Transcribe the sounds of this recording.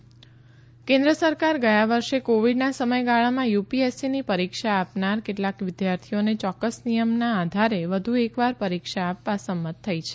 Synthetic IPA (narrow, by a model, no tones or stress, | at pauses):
kẽnd̪ɾəsəɾkaɾɡəjaʋəɾʃekoʋiɖnasəməjɡaɭamãjupiesinipəɾikʃaːpnaɾkeʈlakʋɪd̪jaɾt̪ʰionet͡ʃɔkːəsnijəmnãːd̪ʱaɾeʋəd̪ʱuekʋaɾpəɾikʃaːpʋasəmːət̪ʰːəit͡ʃʰe̥